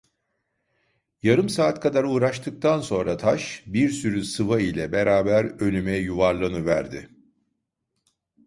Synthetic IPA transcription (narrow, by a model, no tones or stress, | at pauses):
jaɾɯmsaːt̪kʰad̪aɾuːɾaʃt̪ʰɯk̚t̪ʰanso̞nɾat̪ʰaʃbiɾsyɾysɯvailʲɛbeɾʔaːbæɾø̞nʲymɛjuvaɾlˠanɯvæɾd̪ɪ̰